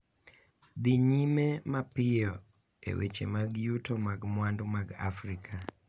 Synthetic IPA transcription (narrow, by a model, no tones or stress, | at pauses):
d̪iɲimemapɪjɔ | ḛwḛt͡ʃḛmaɡjutomaɡmwandomaɡa̰fɾikʰa